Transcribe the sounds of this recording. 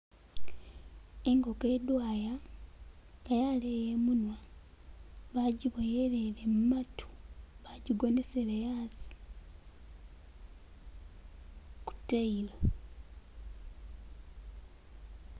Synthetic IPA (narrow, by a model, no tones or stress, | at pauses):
eŋɡo̞ke̞dwaːja | ŋɡajalejemunwa | βaɟiβojelelemumatʰu̥βaɟiɡo̞neselejaːzi̥ | ku̥tːeila